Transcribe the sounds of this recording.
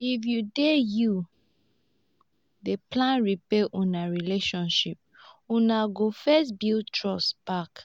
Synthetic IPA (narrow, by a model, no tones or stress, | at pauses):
ifjudeju | deplãnɹipeʔũnaɹileʃɔ̃nʃip̚ | ũnaɡofɛsbiltʰɹɔsb̥ak